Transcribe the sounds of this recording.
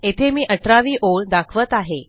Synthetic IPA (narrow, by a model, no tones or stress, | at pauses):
et̪ʰemiːʔəʈɾaʋiːʔold̪akʰʋət̪aɦe